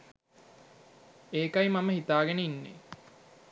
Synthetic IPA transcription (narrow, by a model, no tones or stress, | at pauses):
eːkɐjmɐməɦit̪aːɡeneinːḛ